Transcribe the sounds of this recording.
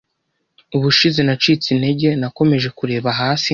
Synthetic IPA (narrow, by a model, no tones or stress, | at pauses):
uβuʃizenat͡ʃiːt͡sine̞ɟe̞nako̞me̞ʒe̞kuɾe̞ːβaɦaːsi